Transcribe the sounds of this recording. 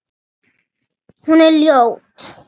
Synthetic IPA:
hunelːiow

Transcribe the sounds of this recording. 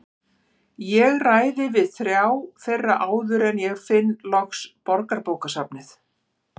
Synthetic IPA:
jɛɣraːjðɪvɪðθɾjaːwθejrːaʔaːwðʏɾɛnjɛɣfɪnːlɔkspɔɾkaɾpoːwkasapnɪθ

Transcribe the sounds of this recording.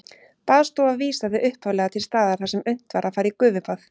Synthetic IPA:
paːðst̪owaviːsaɪʔʏhpʰhawlɛɣat̪ʰɪlst̪aːðaɾ̥θasɛmʏn̥t̪vaɾʔaðfaːɾikʏːvʏpaθ

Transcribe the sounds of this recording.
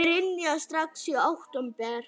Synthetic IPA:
ɪɾɪnːiast̪ɾaksiawht̪ɔmpɛɾ̥

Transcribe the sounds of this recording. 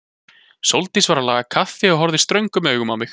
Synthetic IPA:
sowlt̪isvaɾalaːɣakʰafːɪɔɦɔɾðɪst̪ɾœɥŋkʏmœːɣʏmawmɪx

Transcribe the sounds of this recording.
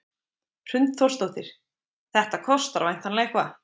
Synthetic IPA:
r̥ʏnt̪θɔrst̪owht̪ɪɾ̥ | θɛht̪akʰɔst̪aɾvajn̥t̪ʰanlekva

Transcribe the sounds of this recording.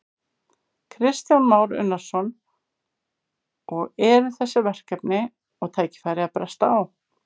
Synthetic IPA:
kʰɾɪst̪janmaːwɾʏ̰nːaɾ̥sɔn | ʔɔɣɛɾɪθɛsːɪvɛr̥kɛpnɪ | ɔɣt̪ʰaːjcɪ̥faːjɾɪaðpɾɛst̪aːw

